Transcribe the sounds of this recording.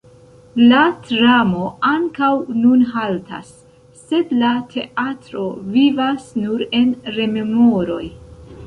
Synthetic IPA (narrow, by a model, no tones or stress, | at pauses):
latɾamo̞aŋkawnunɦalta̰sː | e̞dlatʰe̞̰ʔatɾo̞vivasnuɾe̞nɾe̞me̞mo̞ɾo̞̰j